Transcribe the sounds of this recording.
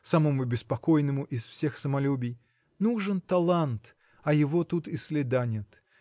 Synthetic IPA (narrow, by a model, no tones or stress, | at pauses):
sɐmomʊbʲɪspɐkojnɨmʊʔɪsfsʲe̞xsəmɐlʲubʲɪj | nuʐɨnt̪ɐlˠant̪ | ɐjɪvo̞t̪ut̪ɪsʲlʲɪd̪anʲɪt̪